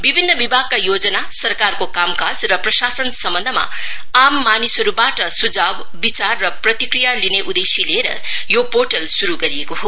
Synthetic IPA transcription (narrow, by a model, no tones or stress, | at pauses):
bibʱinːʌbibʱaɡ̚kːajod͡zʌnasʌrkarkokamkad͡zrʌprʌsasʌnsʌmbʌnd̪ʱʌma̰ | amːanisʌɾubaʈʌsud͡zab | bit͡sarːʌprʌt̪ikrijalineʔud̪esileɾʌ̰ | jopoʈʌlsuɾuɡʌɾiekoɦo